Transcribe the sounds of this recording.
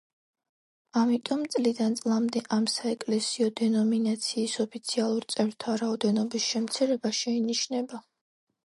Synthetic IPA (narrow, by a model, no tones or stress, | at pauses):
amit̪ʼɔmt̪sʼlid̪ant̪sʼlˠamd̪ɛʔamsaɛkʼlɛsiɔd̪ɛnɔminat̪sʰiːsɔpʰit̪sʰialˠuɾt̪sʼɛɾt̪ʰaɾaɔd̪ɛnɔbisʃɛmt̪sʰiɾɛbaʃɛiniʃnɛba